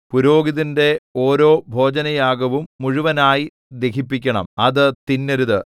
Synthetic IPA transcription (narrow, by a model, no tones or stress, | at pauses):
puɾo̞ːɡiðinde̞oːɾo̞ːbʱo̞ːd͡ʑɐnɐjaːɡɐʋumːuɻuʋɐnaːji | d̪e̞kʰipːikʲːɐɳɐ̰mɐðɨt̪inːɐɾuðɨ